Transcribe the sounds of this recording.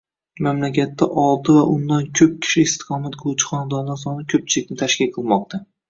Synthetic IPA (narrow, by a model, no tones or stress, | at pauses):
mamlakʲʰat̪ːaʔɒlˠt̪ɪvaʔʊnd̪ankʲʰɵp̚kʲʰɪ̥ʃɪɪst̪ʰɪ̥qʰɒmat̪kʰot͡ʃʰɪ̥χɒnad̪ɒɾd̪aɾsɒnɪkʲʰɵp̚t͡ʃʰɪlɪk̚ʲnɪt̪ʰaʃkʲɪlqʰɨlˠmɒq̚t̪ʰa